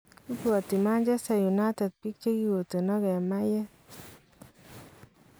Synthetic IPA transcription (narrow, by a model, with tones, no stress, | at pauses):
u˦puɔ˨ti˨ma˦nd͡ʒɛ˦sɛ˨ju˨na˦tɛ˨d̪̚ki˦k̚t͡ʃe˦ɡi˦wo˨t̪e˨nɔ˦ɡɛ˨ma˦jɛ˦